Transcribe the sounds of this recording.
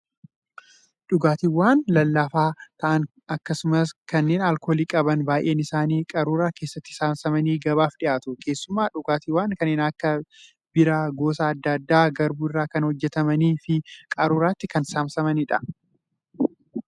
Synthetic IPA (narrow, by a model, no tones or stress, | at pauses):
ᶑʊɡaːt̪iːwaːnlɐlːafaːt̪ɐʔɐn | ɐkːɐsʊmɐskɐnːe̞ːnɐlkoːliːkʼɐbɐnbaːjʔe̞ːnɪsaːniːkʼɐɾuːɾaːke̞ːsːɐt̪ːɪ̥saːmsɐmɐniːɡɐbaːfᶑɪʔaːt̪ʊkʰe̞ːsːʊmːaːᶑʊɡaːt̪iːwaːŋkɐnːeːnɐkːɐ | bɪɾaːɡo̞ːsaːɐd̪ːɐɐd̪ːaːɡɐɾbuɪrːaːkɐnhɔd͡ʒːɛt̪ɐmɐniːfɪkʼɐɾuːɾaːt̪ːɪkɐnsaːmsɐmɐnɪᶑɐ̰